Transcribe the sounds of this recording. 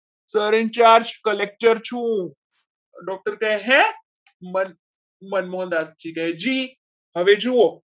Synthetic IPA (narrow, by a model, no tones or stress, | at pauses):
səɾɪnt͡ʃaːɾd͡ʒkɐlek̚ʈəɾt͡ʃʰũ | ɖɔːk̚ʈəɾkɐɦeɦɛ̃ | mɐn | mɐnmõːnd̪aːstʰiːkɐɦed͡ʒiː | hɐʋed͡ʒuo